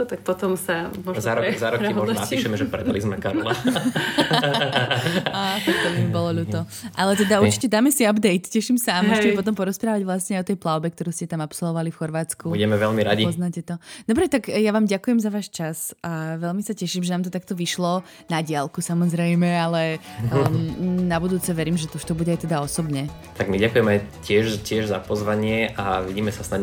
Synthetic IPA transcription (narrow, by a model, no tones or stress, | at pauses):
t̪ak̚pɔt̪ɔmsamɔʒzaɾɔzaɾɔkimɔʒnɔnaiːʃɛmɛʒɛpɾɛd̪alizmɛkaɾla | at̪aktɔlimibɔlɔʎuːt̪ɔ | ʔalɛt̪ɛd̪auɾt͡ʃicɛd̪aːmɛsiabd̪ɛjt̪cɛʃimsaamɔʒɛcɛmɛpɔt̪ɔmpɔɾɔspɾaːʋaɟʋlasɲɛajɔt̪ɛjplaʊbɛk̚t̪ɔɾuːscɛt̪amapsɔlˠʋɔʋalifxɔɾʋaːt͡skuuɟɛmɛʋɛʎmiɾaɟipɔznacɛt̪ɔd̪̥ɔbɾɛt̪aɡjaʋaːmɟakujɛmzaʋaːʃt͡ʃasaʋɛlmisacɛʃimʒɛnaːmt̪ɔt̪akt̪ɔʋiʃlɔ | naɟɪalkusamɔzɾɛjmɛalɛ | nabud̪uːt͡sɛʋɛɾiːmʒɛt̪ɔuʃt̪ɔbuɟɛajt̪ɛd̪aɔsɔbɲɛt̪aɡmiɟakujɛmajcɪɛʒcɪɛʒzapɔzʋaɲɪɛʔaʋiɟiːmɛsasna